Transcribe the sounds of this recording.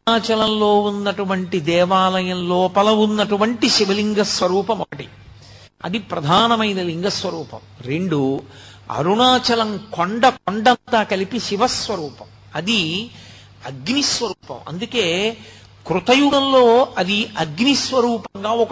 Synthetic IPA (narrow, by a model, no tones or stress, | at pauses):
aːt͡ʃɐlɐmlo̞ːunːɐʈuʋɐɳʈid̪ɛːʋaːlɐjɐmloːpɐlɐunːɐʈuʋɐɳʈiʃiʋɐliŋɡɐsʋɐɾuːpɐmɔkɐʈi | ɐ̰d̪ipɾɐd̪ʱaːnɐmɐjnɐliŋɡɐsʋɐɾuːpɐ̰mɾe̞ɳɖu | ɐ̰ɾuɳaːt͡ʃɐlɐŋkoɳɖɐkoɳɖɐnt̪aːkɐlipiʃiʋɐsʋɐɾuːpɐm | ɐd̪i | ɐɡnisʋɐɾuːpɐ̰mɐ̰nd̪uke̞ː | kɾut̪ɐjuɡɐmloːɐd̪iɐɡnisʋɐɾuːpɐŋɡaːɔk